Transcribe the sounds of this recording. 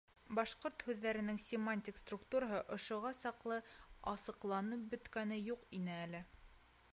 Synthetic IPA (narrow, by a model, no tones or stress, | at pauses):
bɑʃqoɾt̪hʉðːæɾɘ̆nɘŋsʲɪmanʲtʲikst̪rukt̪uɾaɦɤʔŏʃŏʁɑsɑqlˠɤɑsɤ̆qlˠɑnɤp̚bɵ̆t̪kænɘjuqinɘælɘ